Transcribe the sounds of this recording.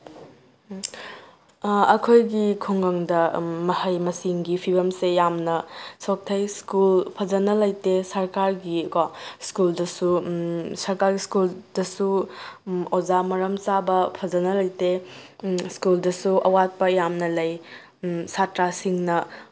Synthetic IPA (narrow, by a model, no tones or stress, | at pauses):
ɐkʰojɡikʰuŋɡɐŋdɐmɐhɐjmɐsiŋɡipʰibɐmsejamnɐsok̚tʰɐjskulpʰɐzɐnɐlɐjtesɐɾkaɾɡikaskuldɐsusɐɾkaɾɡiskuldɐsu | ozamɐɾɐmt͡ʃabɐpʰɐzɐnɐlɐjte | skuldɐsuʔɐwat̚pɐjamnɐlɐj | satɾasiŋnɐ